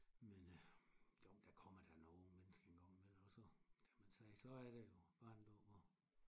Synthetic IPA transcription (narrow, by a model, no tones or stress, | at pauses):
menj̥oʊ̰d̥ækʰɒ̽m̰ɐd̥ænomenəsɡ̥əeŋɡ̥ɑŋ̰melɒsɒkʰæmænsɛːsɒ̽æɐɾ̥ejo̝b̥ɑ̰̈ːnd̥obɒ